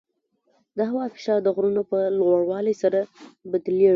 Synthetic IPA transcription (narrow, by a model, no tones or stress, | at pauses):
d̪əɦawɑfɪ̥ʃɑɾd̪əɣɾunopəlɣaɽwɑlejsaɾabad̪le